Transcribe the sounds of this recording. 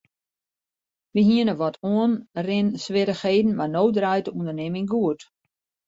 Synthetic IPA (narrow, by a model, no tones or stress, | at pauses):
ʋiɦiənəʋɔtʰuənrɪnsʋɪɾəxheːdn̩manowdrœjtəundərnemɪŋɡuət